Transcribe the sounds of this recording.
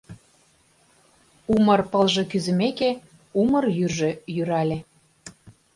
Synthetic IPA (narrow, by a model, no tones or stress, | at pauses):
umɤrpəlʒĕkyzɘ̆meke | umɤrjyrʒø̆jyɾɑlʲe